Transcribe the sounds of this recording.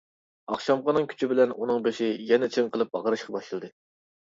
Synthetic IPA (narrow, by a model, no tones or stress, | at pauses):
ɑχʃɑmʁɑnɨŋkʲʰy̥t͡ʃʰibɪlɛnunɨŋbeʃɪjɛnɛt͡ʃʰɪŋqʰəlˠɨp̚bɑ̰ʁəɾɨʃqʰɑbɑʃɨlˠd̪ɨ